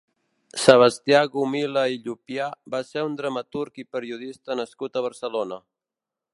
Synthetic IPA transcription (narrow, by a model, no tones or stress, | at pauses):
səβ̞əst̪iaɣumiləiʎupiabaseund̪ɾəmət̪uɾkipəɾiuðist̪ənəskut̪əβ̞əɾsəlonə